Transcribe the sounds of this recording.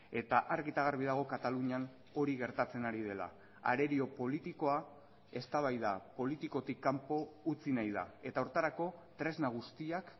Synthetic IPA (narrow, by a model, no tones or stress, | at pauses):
e̞t̪aʔaɾɣit̪aɣaɾβ̞iðaɣ̞o̞kat̪aluɲan | o̞ɾiɣe̞ɾt̪at͡se̞naɾiðe̞la̰ | a̰ɾe̞ɾio̞po̞lit̪iko̞a | e̞st̪aβ̞ajðapo̞lit̪iko̞t̪ikːampo̞ut͡sinajða̰e̞t̪auɾt̪aɾako̞t̪ɾe̞znaɣ̞ust̪iak